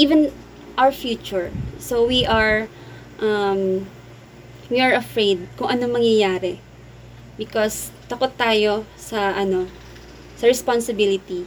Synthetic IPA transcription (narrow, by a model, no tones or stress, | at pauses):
ʔivɛ̃n | ʔawɹfjut͡ʃʊɹsowiʔaɹ | ʔɐm | wiaɹɐfɹejd̪̚kʊŋʔɐnoŋmɐŋjɐjaːɾɛ | bɪkost̪ɐkot̪ːaːjo̞sɐʔɐno̞ | sɐɹɛspansɪbilɪt̪i